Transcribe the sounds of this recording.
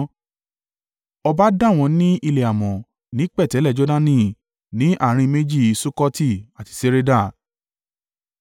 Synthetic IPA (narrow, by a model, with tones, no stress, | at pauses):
ɔ˧ba˦dã˦˨w̃ɔ̃˧nĩ˦ʔi˧le˨a˨mɔ̃˨ | nĩ˨˦k͡pɛ˦˨tɛ˨˦lɛ˦˨d͡ʒɔ˦da˦nĩ˦˨ | nĩ˨˦ʔa˦˨ɾ̃ĩ˧me˦d͡ʒi˦˨so˦kɔ˦ti˦˨a˨ti̥˧se˦ɾe˦da˦˨